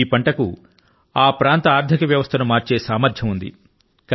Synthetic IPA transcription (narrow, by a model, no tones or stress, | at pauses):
iːpɐɳʈɐkṵ | aːpɾaːnt̪ɐaːɾd̪ʱikɐʋjɐʋɐst̪ʰɐnumaːɾt͡ʃe̞ːsaːmɐɾd̪ʱjɐmund̪ḭ | k